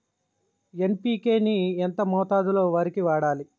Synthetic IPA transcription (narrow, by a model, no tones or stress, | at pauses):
empiːke̞ːnient̪ɐmɔːt̪aːd̪ulo̞ːʋɐːɾikiʋaːɽaːli